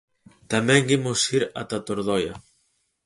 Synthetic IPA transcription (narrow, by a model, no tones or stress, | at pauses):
t̪amɛŋɡimosiɾa̰t̪at̪oɾðɔjɐ̰